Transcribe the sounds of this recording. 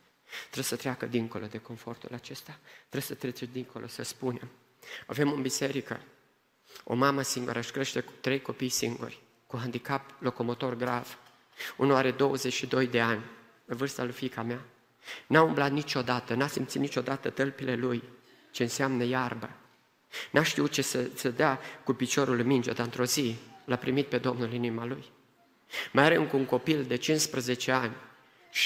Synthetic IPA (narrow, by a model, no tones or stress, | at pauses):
t̪ɾebsət̪ɾeakəd̪iŋko̞̰lo̞d̪e̞ko̞nfo̞rt̪ulat͡ʃe̞st̪at̪ɾebsət̪ɾet͡ʃed̪iŋko̞lʔo̞səspune̞m | a̰ve̞mɨmbise̞ɾikə̰ | o̞̰maməsiŋɡṵɾʔəɨʃkɾe̞ʃt̪e̞ku̥t̪ɾe̞jko̞pijsiŋɡṵrʲ | kuɦand̪ikaplo̞ko̞mo̞t̪o̞rɡɾav̥ | unuaɾe̞d̪o̞wəze̞t͡ʃʃid̪o̞jd̪e̞anʲ | evɨrst̪əlufikʰamea | naumblat̪̚nit͡ʃo̞d̪at̪ənasimt̪sit̪nit͡ʃo̞d̪at̪ət̪əlpile̞luj | t͡ʃe̞ɨnseamnəjarbə | naʃt̪iut͡ʃesesəd̪eakupit͡ʃo̞ɾulmind͡ʒḛd̪aɨnt̪ɾo̞zilapɾimit̪̚pe̞d̪o̞mnulinimaluj | majaɾeŋkuŋko̞pild̪e̞t͡ʃinspɾəze̞t͡ʃe̞anʲ | ʃ